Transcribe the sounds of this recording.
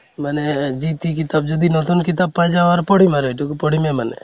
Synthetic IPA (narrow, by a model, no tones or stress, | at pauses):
manɛd͡ʒit̪ikɪt̪ab̚d͡ʒɔd̪inɔt̪onkɪt̪ab̚pãd͡ʒaʋaɾpɔɽ̤imaɾoʈukpɔɽ̤imemanɛ̰